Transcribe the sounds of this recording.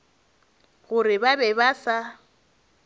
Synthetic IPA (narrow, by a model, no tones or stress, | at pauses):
ɣʊrɪbabɛbasa